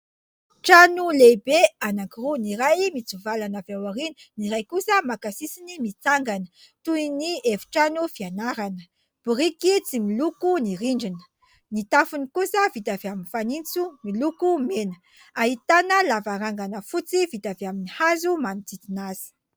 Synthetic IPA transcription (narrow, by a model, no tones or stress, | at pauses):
ʈ͡ʂanulebeanakiruniɾajmit͡suvalanavewaɾini̥niɾajkusəmakasisinimit͡saŋɡanə̥ | t̪uinievu̥ʈ͡ʂanufianaɾanə | b̥uɾikit͡similukuniɾiɳɖ͡ʐinə̥ | nit̪afunikusəvit̪aveaminifanint͡sumilukumenə̥ | aɦit̪anəlavaɾaŋɡanəfut͡sivit̪aveaminihazumanit͡s̪it̪inaz̥i̥